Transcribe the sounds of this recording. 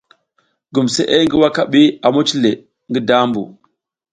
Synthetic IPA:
ɡu˨msḛ˦ʔe˦ŋɡi˦wa˦ka˦˨ɓi˦a˨mo˦t͡ʃi˦le˨ | ŋɡi˦da˦mbṵ˨

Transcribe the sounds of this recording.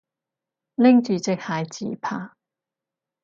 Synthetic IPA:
lɪ˥ŋt͡ʃyː˨˧t͡sɪ˧k̚haː˨˧jt͡sḭː˨pʰaː˥˩

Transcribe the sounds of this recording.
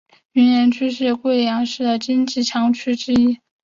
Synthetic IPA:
y˧˥njɛ˧˥nt͡ɕʰy˥ʂɻ̩˥˩kwe˥˩ɪjɑ˧˥ŋʂɻ̩˥˩d̪ə˩t͡ɕi˥nt͡ɕi˥˩ʈ͡ʂʰɑ˧˥ŋt͡ɕʰy˥ʈ͡ʂɻ̩˥i˥

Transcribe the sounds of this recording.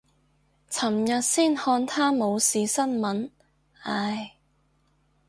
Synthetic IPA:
t͡sʰɐ˨˩mjɐ˨t̚siː˥˩nhɔː˧nt̪ʰaː˥mo˨˧wsiː˨˧sɐ˥nmɐ˨˥n | aː˧˩j

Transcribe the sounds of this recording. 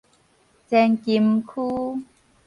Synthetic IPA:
t͡sɛ˧nki˧mkʰuː˦

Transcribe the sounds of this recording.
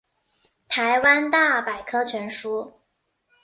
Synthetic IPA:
t̪ʰa˧˥ɪwa˥nt̪a˥˩pa˨˩ɪkʰɤ˥t͡ɕʰɥɛ˧˥nʂu˥

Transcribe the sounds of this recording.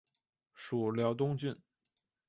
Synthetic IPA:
ʂu˨˩ljɑ˧˥ʊt̪ʊ˥ŋt͡ɕy˥˩n

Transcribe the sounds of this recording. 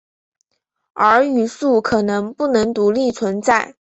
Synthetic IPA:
ə˞˧˥y˨˩su˥˩kʰɤ˨˩nɤ˧˥ŋpu˥˩nɤ˧˥ŋt̪u˧˥li˥˩t͡sʰwə˧˥nt͡sa˥˩ɪ

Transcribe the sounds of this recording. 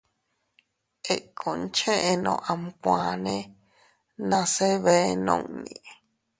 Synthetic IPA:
e˨kʰõ˨nt͡ʃẽ˦ʔe˧nõ̰˨˧˨ʔa˧mkʷã˨nẽ˦ | nã˧se˦βe˦nõ̰˧ŋnḭ̃˨

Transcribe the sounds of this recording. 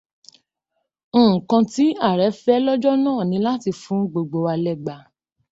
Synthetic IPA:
kã˧ti˦a˦˨ɾɛ˨˦fɛ˦lɔ˦d͡ʒɔ˦nãː˦˨nĩ˨˧˦la˦ti˧fũ˨˦ɡ͡bo˧ɡ͡bo˧wa˧lɛ˦˨ɡ͡ba˨

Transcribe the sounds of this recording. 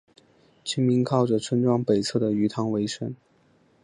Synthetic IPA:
t͡ɕʰi˥ŋmi˧˥nkʰɑ˥˩ʊʈ͡ʂə˩ʈ͡ʂʰə˥nʈ͡ʂwɑ˥ŋpe˨˩ɪt͡sʰɤ˥˩d̪ə˩y˧˥t̪ʰɑ˧˥ŋwe˧˥ɪʂə˧˥n

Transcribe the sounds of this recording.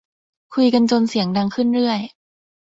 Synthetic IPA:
kʰu˧jka˧nt͡ɕo˧nsi˨˩˦əŋda˧ŋkʰɯ˥˩nɾɯ˥˩əj

